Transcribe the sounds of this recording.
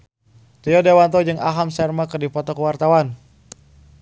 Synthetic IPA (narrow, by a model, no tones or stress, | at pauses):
t̪ijɔdewant̪ɔd͡ʒɨŋaɦamsɛrmakɨrdipɔt̪ɔkəwart̪awan